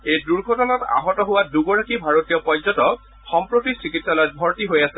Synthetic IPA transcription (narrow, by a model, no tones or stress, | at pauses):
ejduɹɡʱɔtɔnata̰ɦɔtɔɦʊwaduɡɔɹakibʱaɹotiɔpɔzɔtɔ | xɔmpɹotisikitsalɔjt̚bʱɔɹtiɦojasɛ